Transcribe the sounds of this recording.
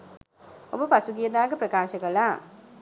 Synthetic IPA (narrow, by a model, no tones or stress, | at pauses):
o̰bəpasuɡijəd̪aːɡəpɾəkaːʃəkəlaː